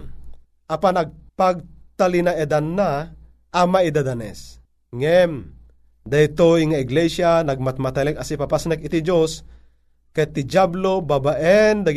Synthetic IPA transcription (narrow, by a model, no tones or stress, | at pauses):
ʔapanaɡ̚paɡ̚t̪alinaɛd̪anːa | ʔamaid̪ad̪anɛ̰s | ŋɛm | d̪ajt̪ojŋaɪɡlɛʃjanaɡ̚mat̪̚mat̪ɛlɛkasipapasnɛkɪt̪id͡ʒos | kat̪id͡ʒablobabaʔɛnd̪a